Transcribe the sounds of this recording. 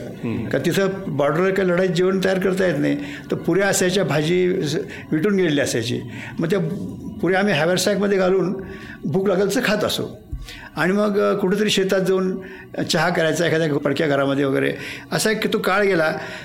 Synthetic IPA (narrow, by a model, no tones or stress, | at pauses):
kaɾt̪it̪ʰəbɔɾɖəɾəɾkailəɽaid͡ʑiʋənt̪əjaɾkəɾt̪ajet̪naj | t̪əɾpuɾjaəsjat͡ɕjabʱad͡ʑiː | ʋiʈuːnɡʱelliəsjat͡ɕḭːməɡ̚t̪̬japuɾjaam̤iːɦaʋaɾsajkməd̪ʱːjeɡʱaluːn | bʱuːklaɡəlt͡səkʰat̪ə̰so̰ | aɽ̃iməɡkuʈʰet̪̬əɾiːɕet̪at̪̚d͡zəuːn | t͡ɕaɦakəɾajt͡saekʰad̪japəɽkjaɡʱəɾaməd̪ʱːjeʋəɡəjɾḛəsakt̪okaɭɡela